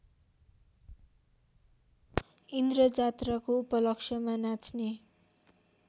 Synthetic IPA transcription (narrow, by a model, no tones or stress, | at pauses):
ind̪rʌd͡zat̪rakoupʌlʌksjʌmanat͡sʰne